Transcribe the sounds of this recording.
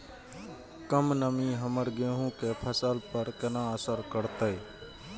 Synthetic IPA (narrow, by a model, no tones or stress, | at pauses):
kəmnəmĩːɦəməɾɡẽːɦũːkepʰəsəlpəɾkənãːəsəɾkəɾt̪əe